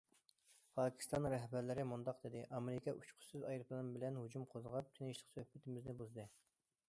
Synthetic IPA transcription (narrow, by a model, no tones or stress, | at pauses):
pʰɑːkʲʰi̥st̪ɑnːŋɾɛɦbæɾlɪɾɪmund̪ɑq̚d̪ɪd̪ɪʔɑmeɾɪkʲʰɑʔyt͡ʃqʰʊ̥syzɑjɾɨplˠɨɾɨmbɪlɛnhud͡ʒumqʰozəʁɑp̚t̪ʰɪnɪʃlˠə̥qsøhpɪt̪ɪmɪznɪbuzd̪ɨ